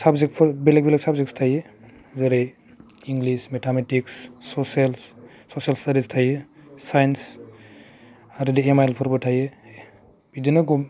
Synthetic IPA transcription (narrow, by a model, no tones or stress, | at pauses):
sabzek̚pʰɔbelek̚beleksabzekstʰaje | zeɾe | iŋɡlismetʰametikssɔsels | sosjalstadistʰajesajns | aɾɯdiemaelpʰɔɾbɯtʰaje | bidinaɡɔm